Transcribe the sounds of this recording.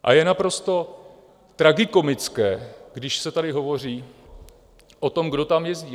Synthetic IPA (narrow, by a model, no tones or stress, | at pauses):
ʔa̰jɛnapɾo̞st̪o̞ | t̪ɾaɡɪko̞mɪt͡skɛːɡdɪʃsɛt̪adɪɦo̞vo̞r̝iː | ʔo̞t̪o̞mɡdo̞t̪amjɛzɟiː